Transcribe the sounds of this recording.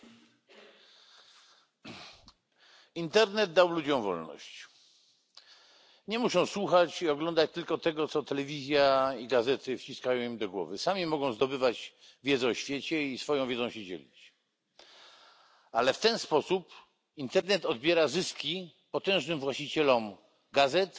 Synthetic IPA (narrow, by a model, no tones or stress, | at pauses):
int̪ɛɾnɛd̪̚d̪awlud͡ʑɔ̃w̃vɔ̰lnɔ̰ɕt͡ɕ | ɲɛmuʂɔ̃w̃swuxat͡ɕiɔɡlɔnd̪at͡ɕt̪ɘlkɔt̪ɛɡɔt̪sɔt̪ɛlɛvʲizʲjaiɡazɛt̪ɘft͡ɕiskajɔ̃w̃imd̪ɔɡwɔ̰vɘsamʲimɔɡɔ̃w̃zd̪ɔbɘvad͡ʑ | vʲjɛd̪zɛɔɕfʲjɛt͡ɕɛisfɔjɔ̃w̃vʲjɛdzɔ̃w̃ɕɛd͡ʑɛ̰lʲḭt͡ɕ | alɛft̪ɛnspɔsup | int̪ɛɾnɛt̪ɔd̪̚bʲjɛɾazɘskʲi | pɔt̪ɛ̃w̃ʐnɘmvwaɕt͡ɕit͡ɕɛlɔm | ɡazɛt̪